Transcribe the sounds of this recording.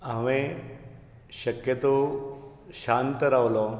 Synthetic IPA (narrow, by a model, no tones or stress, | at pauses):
aʋẽ | ɕəkjət̪o | ɕant̪əɾaʋlɔ